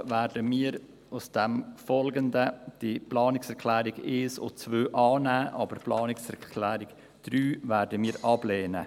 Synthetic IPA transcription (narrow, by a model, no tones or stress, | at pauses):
væːɾdəmiːəɾ | ʊsd̥ɛmfɔlɡəndəd̥iplɑːnɪksɛɾkʰlæːɾɪɡɪːso̰t͡svøːʔɑːnæːʔɑbəɾplɑːnɪksɛɾkʰlæːɾɪɡ | d̥ɾyːvæːɾdəmiːɾʔɑbleːnə̰